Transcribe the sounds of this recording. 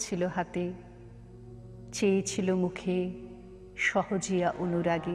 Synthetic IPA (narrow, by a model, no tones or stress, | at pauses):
t͡ɕʰiloɦat̪e | t͡ɕejt͡ɕʰilomukʰe | ʃɔhod͡ʑijaʔonuɾaɡe